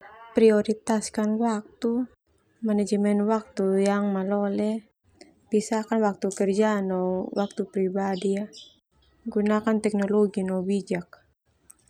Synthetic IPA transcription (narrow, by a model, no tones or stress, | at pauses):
pɾiɔɾit̪askanwak̚t̪u | manɛd͡ʒmɛnwak̚t̪ujaŋmalɔlɛ | b̥isakanwak̚t̪ukɛrd͡ʒanɔwak̚t̪upɾibadia | ɡunakant̪ɛk̚nɔlɔɡinɔbid͡ʒak̚